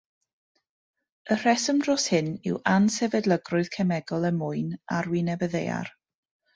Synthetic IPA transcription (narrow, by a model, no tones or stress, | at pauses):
ər̥ɛsəmdrɔshɪnɪ̰wʔansɛvɛdlˠəɡrʊɨðkʰɛmɛɡɔlˠəmʊɨna̰rwinɛvəðeja̰r